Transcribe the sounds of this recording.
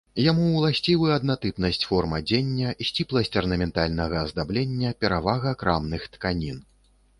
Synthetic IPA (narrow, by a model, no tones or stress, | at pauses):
jamulˠasʲt͡sʲivɨɐd̪nat̪ɨpnɐsʲt͡sʲfɔrmɐd͡zʲenʲːɐsʲt͡sʲiplˠɐsʲt͡sʲɐrnɐmʲɛnt̪alʲnɐɣɐzd̪ablʲenʲːɐpʲɛɾavaɣɐkɾamnɨxt̪kanʲin